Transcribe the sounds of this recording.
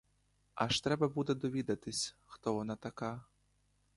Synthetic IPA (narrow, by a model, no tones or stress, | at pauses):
aʃt̪ɾɛbɐbud̪ɛd̪ɔʋʲid̪ɐt̪ɪsʲxt̪ɔʋɔnɑt̪ɐka